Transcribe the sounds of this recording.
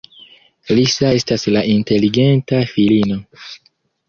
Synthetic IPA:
lisae̞staslaʔinte̞liɡe̞ntafilino̞

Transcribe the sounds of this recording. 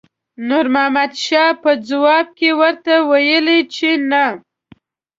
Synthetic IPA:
nuɾmahmad̪ʃɑpəd͡zawɑb̚kewəɾt̪awajəlit͡ʃena

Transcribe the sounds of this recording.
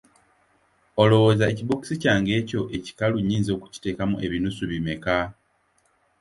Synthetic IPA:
o̞lo̞woːzaeciβoki̥sicaːŋɡe̞ːco̞ʔe̞ci̥kaluɲːiːnzo̞ːku̥ci̥te̞ːkamuʔe̞βinusuβime̞ka

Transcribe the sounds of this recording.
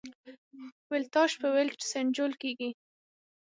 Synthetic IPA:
wɪlt̪ɑʃpəwɪlʈsend͡ʒolkeɡi

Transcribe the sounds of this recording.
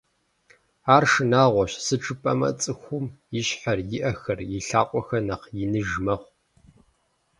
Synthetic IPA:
aːrʂɨnaːʁʷɔɕsɨʈ͡ʂʰʼɨpʼɐmɐ̰t͡sʼɨxʷʊmjɪɕħarjɪʔɐxɐrjɪɬaːqʷʼɔxɐnɐqjɪnɨʒmɐχʷ

